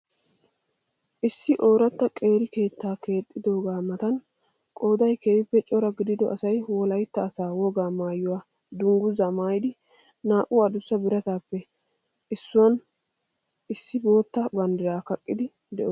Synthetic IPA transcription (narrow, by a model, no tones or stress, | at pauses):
ʔɪsːɪʔo̞ːɾɐt̪ːɐkʼe̞ːɾɪke̞ːt̪ːaːke̞ːt̪ʼːɪd̪o̞ːɡaːmɐt̪ɐn | kʼo̞ːd̪ɐjkeɪpːɛt͡ʃʼɔɾɐɡɪd̪ɪd̪ɔʔɐsɐjwɔlɐjt̪ːɐːsaːwɔɡaːmaːjʊwaː | d̪ʊŋɡʊzɐmaːjd̪ɪ | naːʔʊɐd̪ʊsːɐbɪɾɐt̪aːpːɛ | ɪsːʊwɐn | ɪsːɪbo̞ːt̪ːɐbɐnd̪ɪɾaːkɐkʼːɪd̪ɪ | d̪ɛʔɔ